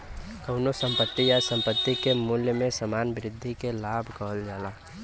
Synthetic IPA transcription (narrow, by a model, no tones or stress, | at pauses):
kəʊnosəmpət̪ːijasə̃mpət̪ːikemuljəmẽsəmaːnbɾɪd̪ʱːikelaːbʱkəɦəld͡ʒaːla